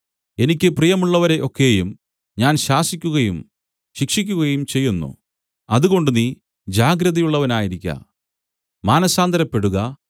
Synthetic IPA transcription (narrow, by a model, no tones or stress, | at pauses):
e̞nikʲːɨprijɐmuɭːɐʋɐɾe̞ʔo̞kːe̞jum | ɲaːnɕaːsikʲːuɣɐjum | ɕikʂikʲːuɣɐjumt͡ɕe̞jːunːṵ | ɐðuɣo̞ɳɖuni | d͡ʑaːɡɾɐðɐjuɭːɐʋɐnaːjiɾikʲːɐ̰ | maːnɐsaːnd̪ʱɐɾɐpːe̞ɽuɣɐ